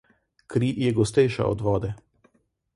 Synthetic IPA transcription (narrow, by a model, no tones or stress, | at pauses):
kɾiːjɛɡɔst̪ɛjʃa̰ɔ̰d̪ʋɔːd̪ɛ